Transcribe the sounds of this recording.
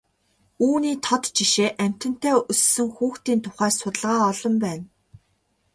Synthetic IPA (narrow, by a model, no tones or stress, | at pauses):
uːniːt̪ʰɔt̪t͡ɕiʃeːʔæm̥ʲt̪ɘ̆n̥t̪æːɵsːɵ̆ŋxuːxt̪iːnt̪ʰʊχæːsʊt̪ə̆ɮʁaːɔɮɞ̆mpæːn